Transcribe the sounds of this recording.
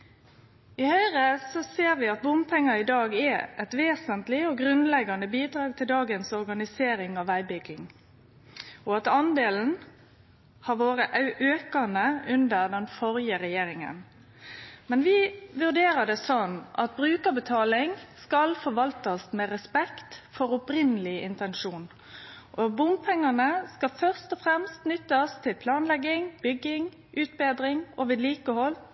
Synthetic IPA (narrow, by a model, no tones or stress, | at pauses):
ɪhœʏʁəsɔseːʁʋɪɑt̪̚bʊmpʰɛŋːɑɪd̪ɑːɡɛʔɛt̪ʋeːsənt̪lɪɔɡɾʉnlɛɡɑnəbiːd̪ɾɑːɡ̚t̪ʰɪld̪ɑːɡənsɔɾɡɑnɪseːɾɪŋɑʋæɪbʏɡɪŋ | ɔɑt̪ɑnd̪eːln̩ | hɑɾʋoːɾəʔʉʔøːkɑnəʉnd̪əʁd̪ɛnfɔɾjəɾɛjeːɾɪŋə̰n | mɛnʋɪʋʉʁd̪eːɾəd̪ɛsɔnʔɑ̰t̪̚bɾʉːkəbət̪ʰɑːlɪŋskɑlfɔɾʋɑlt̪ɑsmɛːɾɛspɛkt̪fɔɾʊpɾɪnəlɪɪnt̪ɛnʃuːn | ʔɔbʊmpʰɛŋːɑnəskɑfœʁst̪ɔfʁɛmst̪nʏt̪ːəɔst̪ʰɪlpʰlɑːnlɛɡːɪŋb̥ʏɡːɪŋ | ʔʉːt̪̚beːd̪ɾɪŋɔʋɪːd̪liːkəhɔl